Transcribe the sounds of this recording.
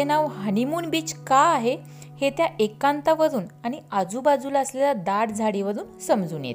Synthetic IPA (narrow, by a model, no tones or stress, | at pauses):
enaʋɦənimuːnbiːt͡skaːɦe | het̪jaekãnt̪aʋəd̪uːnaɽ̃iad͡zuːbad͡zuːlaəslelad̪aɽd͡zʱaɽiʋəd̪uːnsəmd͡zuːnjḛt̪